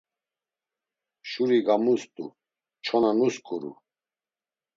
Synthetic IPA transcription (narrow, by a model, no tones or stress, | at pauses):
ʃuɾiɡamust̪ʼṵ | t͡ʃʰɔnanuskʼuɾṵ